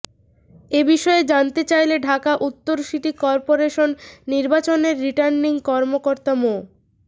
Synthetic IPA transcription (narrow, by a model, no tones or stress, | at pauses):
ebiʃɔed͡ʑant̪et͡ɕajleɖʱakaʔut̪ːoɾʃiʈikɔɾpoɾeʃonːiɾbat͡ɕoneɾːiʈaɾnːiŋkɔɾmokoɾt̪amo